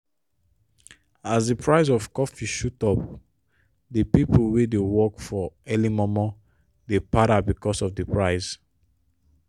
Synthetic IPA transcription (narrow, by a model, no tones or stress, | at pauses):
asdəpʰɹaɪsɔvkɔfiʃutɔp̚ | dəpipʰolwedewɔkfɔɛlimɔmɔ | depaɾabikɔsɔfdəpʰɹaɪs